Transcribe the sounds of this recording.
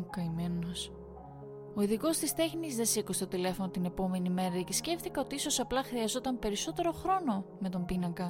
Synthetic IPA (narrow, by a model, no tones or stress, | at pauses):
kɐimenos | o̞iðiko̞st̪ist̪e̞xnizðe̞sikust̪o̞t̪ile̞fo̞no̞t̪ine̞po̞me̞nime̞ɾɐecisce̞ft̪ikeo̞t̪iiso̞sɐplɐxɾiɐzo̞t̪ɐmpe̞ɾiso̞t̪e̞ɾo̞xɾo̞no̞me̞t̪o̞mbinɐŋkɐ